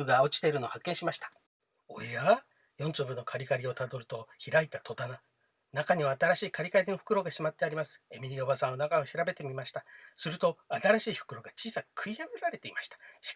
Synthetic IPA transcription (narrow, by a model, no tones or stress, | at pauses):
ɯ̟ɡaot͡ɕi̥t̪e̞iɾɯ̟no̞hakːẽ̞ɰ̃ɕimaɕi̥t̪ḁ | o̰ea | jõ̞nt͡ɕɨːbɯ̟nːo̞kʰaɾʲikaɾʲio̞t̪ad̪o̞ɾɯ̟t̪o̞çiɾait̪ːat̪ʰo̞t̪ana | nakaɲ̟iβaːt̪aɾaɕiːkaɾʲikaɾʲino̞ɸɯ̟̥kɯ̟ɾo̞ɡaɕimat̪ːe̞aɾʲimasɨ̥e̞mʲiɾʲio̞basãɰ̃onakaoɕiɾabe̞t̪e̞mʲimaɕi̥t̪asɨɾɯ̟t̪o̞at̪aɾaɕiːɸɯ̥kɯ̟ɾo̞ɡat͡ɕiːsakʰɯ̟ijabeɾaɾe̞t̪eimaɕi̥t̪ḁɕi̥